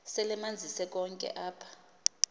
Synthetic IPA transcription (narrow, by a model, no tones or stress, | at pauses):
sɛlɛmand͡zʱisɛk̬ʼɔŋkʼɛ̰ʔaːpʰḁ